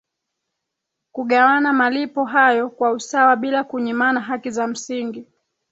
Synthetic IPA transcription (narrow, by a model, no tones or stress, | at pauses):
kuɠawanamalipɔɦajɔkwausawaɓilakuɲimanaɦakizam̩siŋɡi